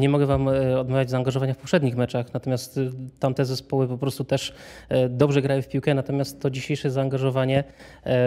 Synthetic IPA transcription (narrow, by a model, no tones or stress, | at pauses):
ɲɛmɔɡɛvamɔd̪mavʲjad͡ʑzaːŋɡaʐɔvaɲafpɔpʂɛd̪ɲixmɛt͡ʂaxnat̪ɔmʲjast̪t̪ːamt̪ɛzɛspɔwɘpɔpɾɔst̪ut̪ɛʂd̪ɔbʐɛɡɾajɛ̃fpʲiwkɛnat̪ɔmʲjast̪ːɔd͡ʑiɕejʂɛzaːŋɡaʐɔvaɲɛ